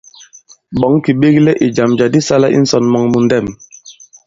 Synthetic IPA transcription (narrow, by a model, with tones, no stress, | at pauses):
ɓɔ˨˦ŋki˨ɓe˦ɡlɛ˦ʔe˨d͡ʒa˨md͡ʒa˨di˦sa˦la˦ʔḭ˦n̩˦sɔ˨nmɔ˨ŋmu˨n˦dɛ˦˨m